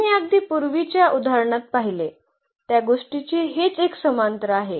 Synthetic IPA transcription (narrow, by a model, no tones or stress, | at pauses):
iəɡ̚d̪ʱiːpuɾʋit͡ɕjaʔud̪ʱaɾɳ̃at̪̚paɦile | t̪jaɡoʂʈit͡ɕiːɦet͡seksəmant̪ɾəaɦe